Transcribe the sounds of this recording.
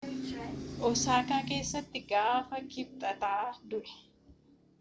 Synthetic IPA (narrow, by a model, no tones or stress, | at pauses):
ʔɔsaːkaːke̞ːsːɐt̪ːɪɡaːfɐkɪb̚t̪ʼɐt̪aːd̪ʊʔɛ̥